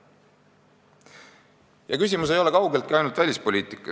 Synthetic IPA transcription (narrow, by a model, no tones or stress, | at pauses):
jɑkys̬ʲimus̬e̞jo̞le̞kɑwɡe̞lt̪kiɑjnult̪vælʲispo̞liːt̪ˑikːˑɑ